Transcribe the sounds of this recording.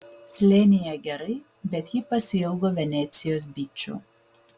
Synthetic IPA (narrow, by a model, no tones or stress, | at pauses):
sʲlʲenʲɪjɛɡʲɛɾɐɪ | bʲɛt̪jɪpɐsʲɪjɛʊɡoːʋʲɛnʲɛːˑt̪sʲɪjoːs̬bʲiːt͡ʃʲṵ